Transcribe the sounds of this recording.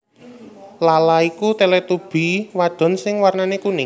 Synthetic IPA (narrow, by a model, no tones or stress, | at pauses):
lalaikut̪elet̪ub̥i̤waɖ̥ɔ̤nsɪŋwarnanekunɪ